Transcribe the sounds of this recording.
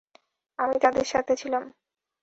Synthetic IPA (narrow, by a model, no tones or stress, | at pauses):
amit̪ad̪eɾʃat̪ʰet͡ɕʰilam